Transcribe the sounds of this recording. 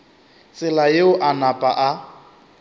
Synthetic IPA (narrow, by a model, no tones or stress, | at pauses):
t͡sʼɪlajeʊʔanapʼa̰ʔa